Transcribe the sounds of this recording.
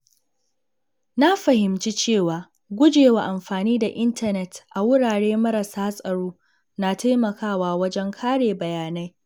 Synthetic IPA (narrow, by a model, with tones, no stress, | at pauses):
na˦ɸɐ˨hɪ˨mt͡ʃi˦t͡ʃeː˦˨waː˨ | ɡʷʊ˦d͡ʒeː˨wa˨ʔa˨mɸaː˨niː˦da˨ʔɪ˦ntʰɐ˦˨nɛ˨tʔa˨wʊ˦ɽaː˨ɽeː˦mɐ˦ɾɐ˨saː˦sʼɐ˨ɽoː˦ | na˨ta˦jmɐ˨kʰaː˦˨waː˨wɐ˦d͡ʒɛ˦ŋkʰaː˦ɽeː˨bɐ˨jaː˨na˦j